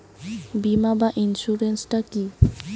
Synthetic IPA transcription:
bimabaʔinʃuɾensʈaki

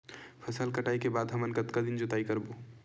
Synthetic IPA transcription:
pʰəsəlkəʈaikebad̪ɦəmənkət̪kad̪ind͡ʒʊt̪aikəɾbo

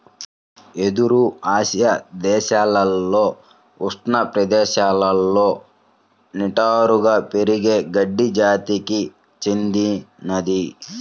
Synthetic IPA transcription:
e̞d̪uɾuaːʃjɐd̪ɛːʃaːlɐlːo̞ː | ust̪nɐpɾɐd̪ɛːʃaːlɐlːo̞ː | niʈaːɾuɡaːpeɾiɡe̞ːɡɐɖːid͡ʒaːt̪iki | t͡ʃend̪inɐd̪i

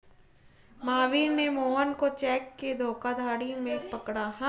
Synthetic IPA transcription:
maːʋiːnemoːɦənkot͡ʃɛːkːed̪ʱoːkad̪ʱaːɽimẽpɐkɽaɦɛ̃

